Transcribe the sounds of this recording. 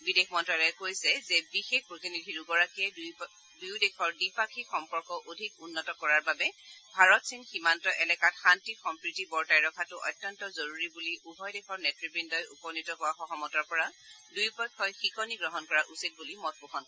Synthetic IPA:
bidexʰmɔntɹalɔɛkojsɛzɛbixek̚ʰpɹotinidʱiɹuɡɔɹakiɛ | dujdekʰɔɹdipakʰixɔmpɔɹkɔʔodʱikunːɔtɔkɔɹaɹbabɛbʱaɹɔtsinximantɔʔɛlɛkatxantixɔmpɹitibɔɹtajɹɔkʰatʊʔɔ̰tːjɔntɔzoɹuɹibuliʔubʱɔjdexʰɔɹnɛtɹibindɔjupɔnitɔɦʊwaxɔxɔmɔtɔɹpɔɹadujpɔkʰːɔjxikɔniɡɹɔɦɔnkɔɹaʔusit̚bulimɔt̚boxʰɔnkɔ

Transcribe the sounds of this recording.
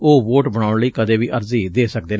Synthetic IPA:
oːʋoːʈbəɽaːʊɳləiːkəd̪eːʋiːʔəɾziːd̪eːsək̚d̪eː

